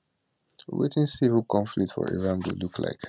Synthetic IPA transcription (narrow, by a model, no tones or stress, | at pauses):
wḛtɪ̃nsivəlˠkʰɔ̃ɱflik̚tfɔ̰ɹʔḭɹãnbulukʰla̰ɪk